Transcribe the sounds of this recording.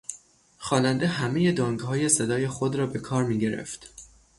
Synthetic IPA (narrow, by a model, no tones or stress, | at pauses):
xɒːnænd̪eɦæme̞je̞d̪ɒːŋɡhɒːje̞se̞d̪ɒːje̞xo̞d̪ɾɒːbe̞kʰɒːɾmiːɟe̞ɾḛft̪